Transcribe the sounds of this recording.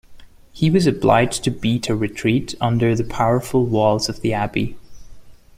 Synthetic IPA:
hiwʌzɨbla̰ɪd͡ʒ̥tʰɨbiɾɨɹɨtʰɹ̥iɾʌ̃ndə˞ðɨpʰaʊə˞fl̩ˠwɔlˠzʌvðiæbḭ

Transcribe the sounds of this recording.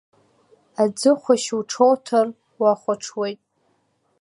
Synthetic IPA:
ad͡zɨχʷaʃuʈ͡ʂʰowtʰar | waχʷaʈ͡ʂʰwe̞jtʼ

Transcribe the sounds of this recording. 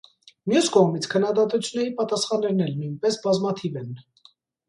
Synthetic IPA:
mjuskɔʁmit͡sʰkʰənːɑd̪ɑt̪ut͡sʰjunːɛɾipɑt̪ɑsχɑnːɛɾnɛlnujnpɛsbɑzmɑt̪ʰivɛn

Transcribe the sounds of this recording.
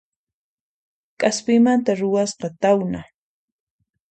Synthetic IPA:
kʼaspɪmant̪aɾʊwasqɑt̪awna

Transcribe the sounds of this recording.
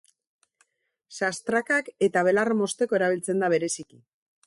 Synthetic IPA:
sast̪ɾakake̞t̪aβ̞e̞larmo̞st̪e̞ko̞e̞ɾaβ̞ilt͡se̞nd̪aβe̞ɾe̞siki

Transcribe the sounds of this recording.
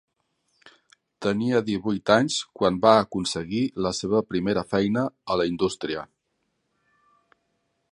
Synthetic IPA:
t̪əniəðiβujt̪aɲskwambaəkunsəɣiləseβəpɾimeɾəfɛjnəːləind̪ust̪ɾiə̰

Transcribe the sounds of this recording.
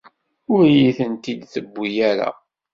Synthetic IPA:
ʊɾjiθənt̪id̪θəbːijæɾa̰

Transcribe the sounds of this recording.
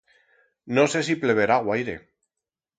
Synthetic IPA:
no̞se̞siple̞β̞e̞ɾaɣwajɾe̞̰

